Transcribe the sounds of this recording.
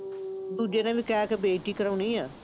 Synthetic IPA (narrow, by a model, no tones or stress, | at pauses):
d̪ud͡ʒjãːnãːbikɛːkebeːʈiːkəɾauniːaː